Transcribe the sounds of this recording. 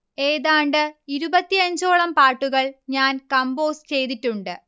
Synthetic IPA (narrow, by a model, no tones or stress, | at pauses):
e̞ːðaːɳɖɨiɾubɐt̪ːiɐɲd͡ʑo̞ːɭɐmpaːʈːuɣɐɭɲaːnkɐmbo̞ːst͡ɕe̞jt̪itːuɳɖɨ